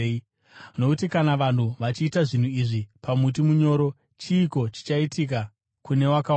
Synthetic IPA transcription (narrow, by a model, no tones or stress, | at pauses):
no̞kutikanaʋan̤uʋat͡ʃiːtaʐin̤uiʐipamut̬imuɲo̞ːɾo̞ | t͡ʃiːko̞t͡ʃi̥t͡ʃaitik̬a | kune̞waka